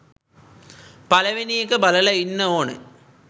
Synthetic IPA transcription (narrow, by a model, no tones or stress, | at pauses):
pɐlɐʋenijekːɨbɐlɐlɐinːɐoːɳɨ̰